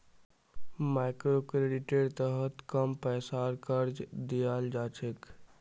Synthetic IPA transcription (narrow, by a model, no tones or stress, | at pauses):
majkɾokɾeɖiʈeɖt̪əɦət̪kəmpəjsaɾkəɾd͡ʒd̪ijald͡ʒat͡ʃʰek